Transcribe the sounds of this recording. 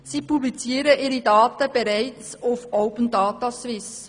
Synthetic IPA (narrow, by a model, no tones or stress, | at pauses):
sipublit͡siːəɾəʔɪɾidɑːt̪əb̥ɛɾæɪt͡s | ʊfowpən̩dɑːtɑswɪs